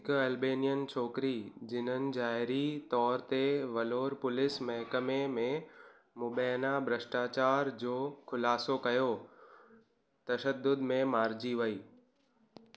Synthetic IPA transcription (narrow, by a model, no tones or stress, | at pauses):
ɦɪkʊɐlbeːnijənt͡ɕʰɔːkɾid͡ʑɪn̤ənɪ̆d͡ʑaːɦɪɾit̪ɔːɾt̪eʋɐloːɾpʊlɪsmɐɦkəmemẽ | mʊɓɛːnabʱɾəsʈaːt͡ɕaːɾd͡ʑoːkʰʊlaːsokɐjo | t̪ɐʃəd̪ːʊd̪mẽmaːɾd͡ʑiʋɐiː